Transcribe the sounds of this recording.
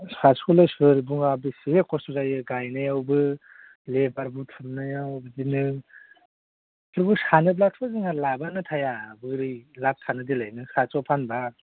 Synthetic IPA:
saskulɯjsɯɾbuŋabisiekɔstuzajɯɡajnajawbɯ | lebaɾbutʰɯmnajawbzinɯ | kʰɯɾbusanɯb̬latʰbaziŋaɾlabanɯtʰajabɯɾɯjlap̚tʰanɯdilajnɯkʰat͡ʃɔpʰanba

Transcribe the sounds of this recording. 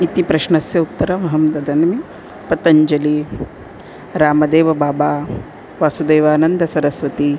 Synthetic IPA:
it̪ipɾɐʃɳɐsjɐut̪ːɐɾɐmɐɦɐmt̪ɐd̪ʱɐnɐmi | pɐt̪ɐɲd͡ʒɐli | ɾaːmɐd̪eːʋɐbaːbaː | ʋaːsud̪eːʋaːnɐnd̪ɐsɐɾɐsʋɐt̪i

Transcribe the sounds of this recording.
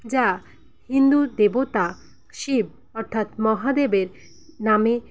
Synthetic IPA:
d͡ʑa | hind̪ud̪ebot̪a | ʃib̚ | ɔɾt̪ʰat̪mɔɦad̪ebeɾ | name

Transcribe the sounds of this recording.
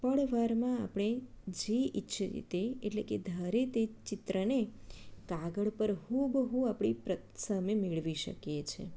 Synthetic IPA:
pəɽʋaɾmãa̰pɳ̃e | d͡ʒeʔitːʃʰəḭt̪eeʈleked̪ʱəɾet̪et͡ʃɪt̪ɾənekaɡəɭpəɾɦubɦũapɳ̃ipɾə | səmemeɭʋiʃə̰kjet͡ʃʰḛ

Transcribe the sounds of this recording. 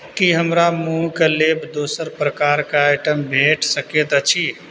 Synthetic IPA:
kiɦəmɾamũːkaleːbd̪oːsəɾpɾəkaːɾkaaɪʈəmbʱeːʈsəket̪ət͡ʃʰi

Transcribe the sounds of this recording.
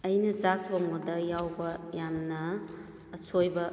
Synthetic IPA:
ɐjnɐzak̚loŋnodɐjawbɐjamnɐː | sʰojbɐ

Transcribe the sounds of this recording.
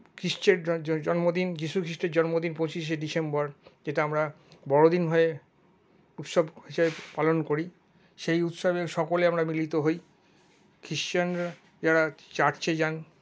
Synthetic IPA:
kʰɾist͡ɕeɾd͡ʑɔnmod̪ind͡ʑiʃukʰɾiʃʈeɾd͡ʑɔnmod̪inpõt͡ɕiʃ̬eɖisembɔɾd͡ʑeʈaamɾa | bɔɽod̪inɦɔe | ut̪ʃobʰeʃaepalonkoɾi | ʃejut̪ʃobekʃɔkoleamɾamilit̪oɦoj | kʰɾiʃt͡ʃanɾa | d͡ʑaɾat͡ɕaʈt͡ɕʰed͡ʑan

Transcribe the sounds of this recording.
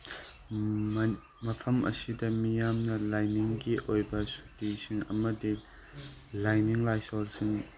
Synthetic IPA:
m | mɐpʰɐmʔɐ̰sidɐmijamnɐlajniŋkiʔojbɐsu̥tisiŋɐmɐdi | lajniŋlajsɔlsiŋ

